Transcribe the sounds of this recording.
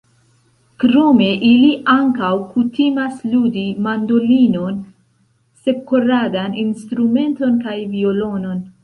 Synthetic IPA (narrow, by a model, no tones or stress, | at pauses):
kɾome̞ʔiliʔaŋkawkutimasludimando̞lino̞n | se̞koɾadaninstɾume̞nto̞nkajvio̞lo̞no̞n